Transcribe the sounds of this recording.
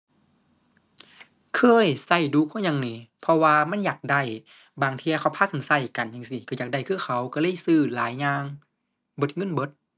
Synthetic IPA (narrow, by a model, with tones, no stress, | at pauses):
kʰɤː˧˥˨jsa˧˩jduː˧˦kʰɔː˧˥˨jɲa˧˨ŋniː˧˩pʰɔ˧waː˧ma˧˥˨njaː˨˩k̚da˧˩j | baː˨˩ŋt̪ʰi˧ɐ˧kʰa˧˩wpʰaː˧˥˩kʰa˨˩˨nsa˧˩jka˨˩njaː˧˩ŋsi˧ka˧˩jaː˨˩k̚da˧˩jkʰɯː˧˩˨xʰa˧˩wka˧˩lɤː˧˥˨jsɯː˧˩laː˨˦jɲaː˧ŋ | bɤ˧˦t̪̚ŋɤ˧˥˨nbɤ˧˦t̪̚